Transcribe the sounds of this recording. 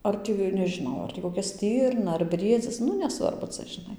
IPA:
ˈɐr tʲiː nʲɛʒʲɪˈnɐʊ ˈɐr tʲiː koːˈkʲɛ ˈsʲtʲɪrnɐ ɐr ˈbʲrʲiɛd͡zʲɪs ˈnʊ nʲɛˈsʋɐrbʊ ˈt͡sɐ ʒʲɪˈnɐɪ

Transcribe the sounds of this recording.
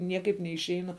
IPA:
ˈnʲiɛkɐɪp nʲɛɪʃʲˈɛɪnʊ

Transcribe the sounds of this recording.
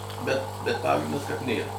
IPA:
bʲɛt bʲɛt ˈpɑːɡrʲɪndɐs kɐt ˈnʲeːrɐ

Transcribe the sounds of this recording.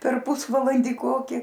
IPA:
pʲɛr ˈpʊsʋɐlˠɐnʲdʲiː ˈkoːkʲɪ

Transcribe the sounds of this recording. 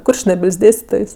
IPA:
ˈkʊrʲt͡ʃʲnʲɛbʲɪlʲsʲ ˈdʲeːsʲtʲɪtoːjs

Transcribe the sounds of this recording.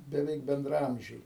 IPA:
bʲɛˈʋʲɛɪk bʲɛndrɐˈɐmʲʒʲɛɪ

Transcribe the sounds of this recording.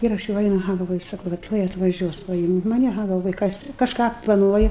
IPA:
ˈɪr ɐʃ jɛʊ ˈɐɪnʊ ɐˈɣɐ ɡɐlˠˈʋoːjʊ ˈsɑːkʊ ʋɐ ˈtuɔj ɐtʋɐˈʒʲuɔs pɐˈɪmʲtʲ mɐˈnʲɪ ɐˈɣɐ ɡɐlˠˈʋoːjʊ ˈkɐs kɐʃˈkɑː plˠɐˈnuɔjʊ

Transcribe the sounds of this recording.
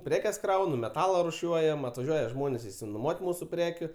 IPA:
ˈpʲrʲæːkʲɛs ˈkrɐʊnʊ mʲɛˈtɑːlˠɐ rʊˈʃʲuɔjɛm ɐtʋɐˈʒʲuɔjɛ ˈʒmoːnʲeːs ɪʃʲsʲɪnoːˈmuɔtʲ ˈmuːsʊ ˈpʲrʲæːkʲʊ

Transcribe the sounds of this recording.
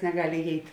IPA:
nʲɛɡɐlʲ ɪˈjɛɪtʲ

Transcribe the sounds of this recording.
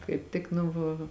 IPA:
kɐɪp ˈtʲɪk nʊ ʋɐ

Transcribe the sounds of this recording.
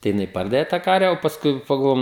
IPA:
tɐɪ jɪˈnɐɪ ˈpɐrdɐʋʲɛ tɑː ˈkɐrʲʋʲɛ oː pɐsˈkʊɪ pɐɡɐlˠˈʋoːjʊm

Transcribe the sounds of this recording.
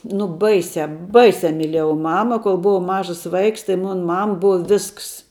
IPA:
nʊ ˈbɐɪsʲæː ˈbɐɪsʲæː mʲiːˈlʲeːjɛʊ ˈmɑːmɐ koːlˠ ˈbʊʋɐʊ ˈmɑːʒɐs ˈʋɐɪks tɐɪ ˈmʊn ˈmɐm ˈbʊɐ ˈʋʲɪsks

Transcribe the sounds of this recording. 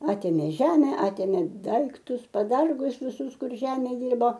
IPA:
ˈɑːtʲeːmʲeː ˈʒʲæːmʲɛ ˈɑːtʲeːmʲeː ˈdɐɪktʊs pɐˈdɐrɡʊs ʋʲɪˈsʊs ˈkʊr ˈʒʲæːmʲɛ ˈdʲɪrboː

